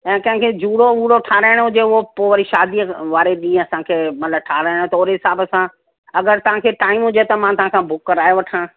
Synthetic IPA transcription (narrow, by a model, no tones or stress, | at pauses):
ɛ̃ːkɐ̃ɦɪ̃ŋkʰed͡ʑuːɽouːɽoʈʰaːɾaːɪɽ̃ɦʊd͡ʑeʊɦopoːʋɐɾiʃaːd̪iʋaːɾeɗĩːẽɐsãkʰeːmɐt̪ləbʈʰaːɾaːɪɽ̃t̪oːɾeɦɪsaːbəsã | ɐɡəɾt̪ɐʋ̤ãkʰeːʈaːɪmɦʊd͡ʑet̪ɐmãt̪ɐʋ̤ãkʰãbʱʊkːəɾaːjoʋɐʈʰãː